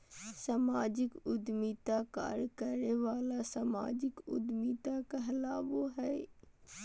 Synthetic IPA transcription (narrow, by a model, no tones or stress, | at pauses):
samaːd͡ʒɪkʊd̪miːt̪aka̰ːɾkəɾeʋaːlasama̰ːd͡ʒɪkʊ̰d̪miːt̪akəɦlaːʋoɦɛː